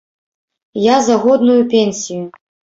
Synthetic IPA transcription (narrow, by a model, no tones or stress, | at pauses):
jazaɣɔd̪nujupʲenʲsʲiju